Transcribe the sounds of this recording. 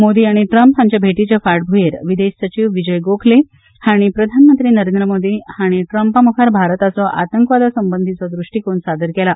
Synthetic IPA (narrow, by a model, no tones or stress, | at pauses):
mod̪iːaɽ̃iʈɾəmpɦamt͡ɕjabʱeʈit͡ɕjafaɽbʱujeɾʋid̪eɕsət͡ɕiʋʋid͡ʑəjɡokʰle | haɽ̃ipɾəd̪ʱanmənt̪ɾiːnəɾend̪ɾəmod̪iːhaɽ̃iʈɾəmpamukʰaɾbʱaɾt̪at͡sɔʔa̰t̪əŋkʋad̪asəmbənd̪ʱit͡sɔd̪ɾuʂʈiːkoɳsad̪ʱəɾkɛla